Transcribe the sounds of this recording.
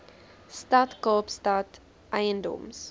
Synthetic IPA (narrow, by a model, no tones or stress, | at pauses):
stɐtkɑːpstɐt | ʔɛjəndɔ̰ms